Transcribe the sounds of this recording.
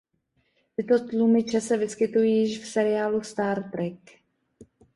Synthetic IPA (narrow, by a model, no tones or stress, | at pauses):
t̪ɪt̪ot̪lumɪt͡ʃɛsɛvɪskɪt̪ujijɪʃfsɛɾɪaːlust̪aːɾt̪ɾɛk